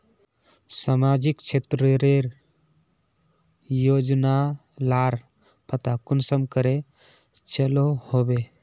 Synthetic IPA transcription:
samad͡ʒikt͡ʃʰet̪ɾeɾeɾ | jod͡ʒna | laɾ | pʰət̪akʊnsəmkəɾe | t͡ʃəlohobe

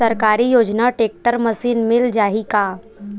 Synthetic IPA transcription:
əɾkaːɾijoːd͡ʒnaʈeːk̚ʈəɾməsiːnmɪld͡ʒaːɦikaː

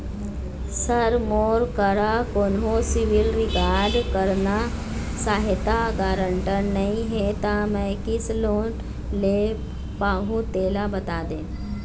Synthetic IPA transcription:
səɾmoːɾkəɾakoːnɦõsɪʋɪlɾɪkaːɾɖkəɾna | saːɦɪt̪aɡaːɾə̃ɳʈəɾnɐɦĩɦɛt̪amɛ̃ːkɪsloːn | le | paːɦũt̪eːlabɐt̪aːd̪ẽː

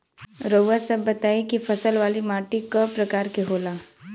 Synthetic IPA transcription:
ɾoːasɐbːɐt̪aːekifʰɐsəlʋaːlimaːʈikəpɾɐkaːɾkeɦoːlaː

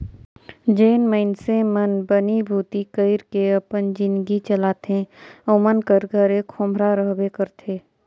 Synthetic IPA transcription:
d͡ʒeːnməɪnsemənbənibʱuːt̪ikəɪɾkeəpənd͡ʒɪnɡit͡ʃəlaːt̪ẽomənkəɾɡʱəɾekʰõːmbʱɾaɾəɦbekəɾt̪ʰeː

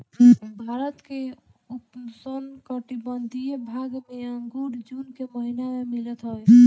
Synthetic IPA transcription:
bʱaɾət̪keupsənkəʈibənd̪ʱijebʱaɡmeaŋɡuɽd͡ʒunkeməɦinamemilət̪ɦɔj

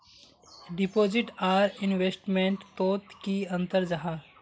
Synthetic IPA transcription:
ɖɪpoːd͡ʒɪʈaːɾɪ̃nʋesʈmẽɳʈt̪oːt̪kiɐ̃nt̪əɾd͡ʒaɦaː

